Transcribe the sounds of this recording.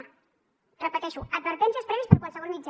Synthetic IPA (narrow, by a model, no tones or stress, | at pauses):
rəpət̪ɛʃuəd̪̚bəɾt̪ɛnsiəspɾɛβispəɾkwalˠsəɣ̞ɔlˠmid͡ʒ